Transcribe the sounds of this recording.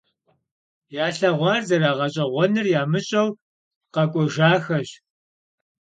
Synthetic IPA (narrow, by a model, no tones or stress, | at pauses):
jaːɬɐʁʷɑːrzɐɾaːʁɐɕʼɐʁʷɔnɨrjaːmɨɕʼɐw | qɐkʷʼɔʒaːxɐɕ